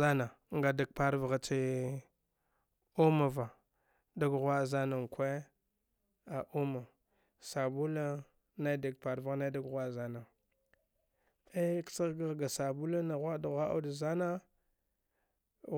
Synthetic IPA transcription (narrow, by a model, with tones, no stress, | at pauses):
a˦na˨ | ŋɡa˨da˨ɡ̚pa˦ɾvɣa˨t͡ʃi˦ | o˦ma˨va˨ | da˦ɡɣwa˦˨za˦na˨ŋ˨kʷe˦ | a˨ʔu˦ma˨ | sa˨bu˦la˦ | na˦da˨ɡ̚pa˨ɾva˦ɣna˦da˦ɡɣʷa˦˨za˨na˨ | e˦ksa˦ɣɡa˦ɣɡa˨sa˨bu˦la˦na˨ɣʷa˦da˨ɣʷa˦ʔa̰˦da˨za˦na˦